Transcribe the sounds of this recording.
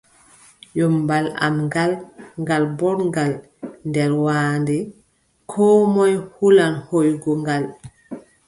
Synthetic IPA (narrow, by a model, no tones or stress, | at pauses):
jɔmbala̰mɡalŋɡalbɔɾŋɡal | ndɛɾwaːndɛ | kʰɔːmɔjhulanhojɡɔŋɡal